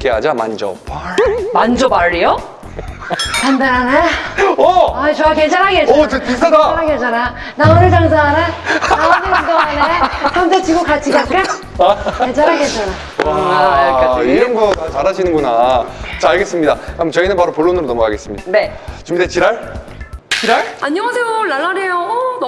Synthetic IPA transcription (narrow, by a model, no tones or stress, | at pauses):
keɦad͡ʑama̰nd͡ʑʌ̰paɭmand͡ʑʌbaɾːijo | kandaɾaneʌat͡ɕoɡaked͡ʑaɾɦaɡeot͡ɕetis͈ʌdaɾaɡed͡ʑana | naɯnɯɭtaŋsaɦanenaonɯaŋdoɦanesʰʌmtet͡ɕʰiɡokat͡ɕʰiɡak͈a | ed͡ʑaɾɦaɡed͡ʑana | a | iɾʌnɡʌɡat͡ɕaɾɦad͡ʑinɯnŋɡonat͡ɕaaɭɡe̞s͈ɯmɲidakamt͡ɕʌinɯnpaɾopoɭːonɯɾonʌmoka̰ɡe̞s͈ɯmɲid̥ane̞t͡ɕumidet͡ɕiɾaɭ | t͡ɕiɾaɭaɲʌŋasʰejolaɭːaɾejo